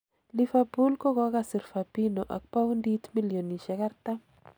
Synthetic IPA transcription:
lifapu˦lkɔ˦kɔ˦kasɪ˨ɾfapino˨ʔa̰˨k̚pa˦wndi˦tmi˦lijo˨ni˨ʃɛ˦ka˦rta˦

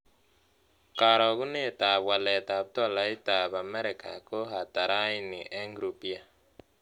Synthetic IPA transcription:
ka˨ɾɔ˨ɣu˦ne˦˨ta˨βwa˨lɛ˨ta˨βtɔ˦˨la˨i˦ta˨βa˨mɛ˦ɾi˨ka̰˨ko˦ɦa˨ta˨ɾa˦i˦ni˨ʔɛ˦ŋɡɾu˨pi˦a˨

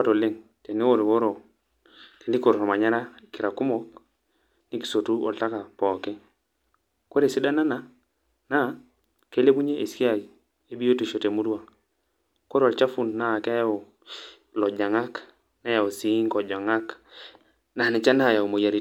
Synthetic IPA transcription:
a˦to˨le˦ŋ | te˨ni˦wo˦˨ɾwo˦ɾo˨ | ke˨li˦ko˨ɾo˨ma˨ɲa˦ɾa˦ki˨ɾa˨ku˦mɔ˦k | ni˦ki̥˨so˨tu˦o̰˨lta˦ka˨pɔː˨ke˦ | ko˦ɾe˨si˦da˦na˦na˦ | na˦˨˦ | ke˦le˦bu˦ɲe˦ʔe˨ski˦a˨ɡ | e˦bi˦jo˦te˨ʃo˨te˨mu˦du˦wa˨ | ko˦ɾo˨lt͡ʃa˦fu˦˨nna˦˨ka˦ja˦o˨ | lɔ˨d͡ʒa˨ŋa˦k | na˦ja˨o˨si˨˦ŋkɔ˨d͡ʒa˨ŋa˦k | na˨ni˨t͡ʃa˦na˦˨ja˨u˨mo˨ja˨ɾi˦

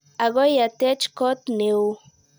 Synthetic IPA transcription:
a˨ɡɔ˦ja˨t̪ɛ˦t͡ʃkɔ˦t̪ne˨w

